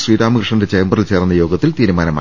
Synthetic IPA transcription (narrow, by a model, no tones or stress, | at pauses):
sriːdaːmɨkrɨʂɐndet͡ɕɐjɐmbɐrilt͡ɕe̞ːrnːɐjo̞ːɡɐt̪ːilt̪iːɾumaːnɐma̰ː